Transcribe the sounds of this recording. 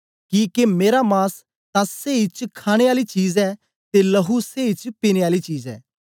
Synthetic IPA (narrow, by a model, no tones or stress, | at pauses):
kiːkemeːɾamaːs | t̪ãseːɪt͡ʃkʰaːɽ̃eaːlit͡ʃiːzɛː | t̪elɐɦuseːɪt͡ʃpiñeaːlit͡ʃiːzɛ̰ː